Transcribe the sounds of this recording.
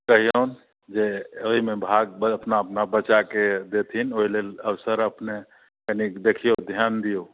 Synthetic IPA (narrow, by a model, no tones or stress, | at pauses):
kəɦijoːn | d͡ʒeoɦimẽbʱaːɡ̚bəpnaːpnabət͡ʃaked̪et̪ʰinoːileəʋsəɾəpne | kənikd̪ekʰijod̪ʱjaːnd̪ijo